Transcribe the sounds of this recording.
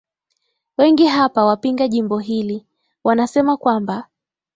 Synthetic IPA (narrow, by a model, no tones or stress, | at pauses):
wɛŋɡiɦapawapiŋɡaʄimbɔɦili | wanasɛmakwamba